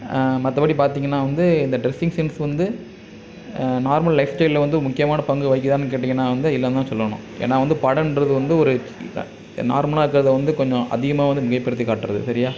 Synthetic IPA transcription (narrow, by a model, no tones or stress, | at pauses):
mɐt̪ːɐpɐɽipaːɾt̪iːŋɡɐnːaːʋɐnd̪ɯɪnd̪ɐɖɾɛsːɪŋsɛnsʋɐnd̪ɯ | naːɾmɐɭlɐɪfsʈɐɪllʋɐnd̪ɯmʊkːɪjɐmaːnɐpɐŋɡɯʋɐɪkːɯt̪aːnk̬eːʈːiːŋɡɐnːaːʋɐnd̪ɯɪlːɐnd̪aːsɔlːɐɳʊ̰̃ʔḛːnːaːʋɐnd̪ɯpɐɽɐnnɾɐðɯʋɐnd̪ɯɔɾɯ | na̰ːɾmɐlaːɾɯkːɯɾɐðɐʋɐnd̪ɯkɔɲd͡ʒɔ̃ʔɐ̰ðɪɣɐmaːʋɐnd̪ɯmɪɣɐɪpːɪɾɯt̪ːikaːʈːɯɾɐðɯ̰sɐɾɪjaː